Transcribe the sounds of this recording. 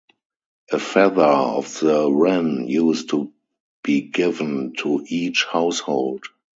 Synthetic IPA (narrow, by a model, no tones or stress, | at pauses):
ʔəfɛðə˞ɔ̰fðəɹɛ̃njuːstʰːu | b̥iːɡɪvə̃ntʰuʔiːt͡ʃhaʊshoʊld